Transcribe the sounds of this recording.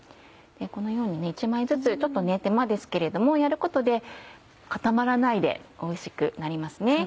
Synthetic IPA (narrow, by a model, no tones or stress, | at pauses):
d̪̥eko̞no̞jo̞ːɲ̟ine̞it͡ɕimaizɨt͡sɨt͡ɕo̞t̪ːo̞ne̞t̪e̞mad̪e̞sɨ̥ke̞ɾe̞d̪o̞mo̞jaɾɯ̟ko̞t̪o̞d̪e̞ | kat̪amaɾanaid̪e̞̰o̞iɕi̥kɯ̟naɾʲimasɨne̞